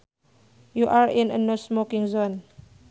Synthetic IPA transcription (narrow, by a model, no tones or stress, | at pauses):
juʔaɹĩnə̰nosmokĩŋzon